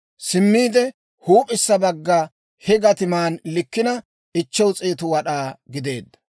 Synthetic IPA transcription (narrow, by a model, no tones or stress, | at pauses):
sɪmːiːd̪ɛ | huːpʼɪsːɐbɐɡːɐ | hɛɡɐt̪ɪmaːnlɪkːɪnɐ | ɪt͡ʃːɛwt͡sʼeːt̪ʊwɐɗaːɡɪd̪e̞ːd̪ːɐ̥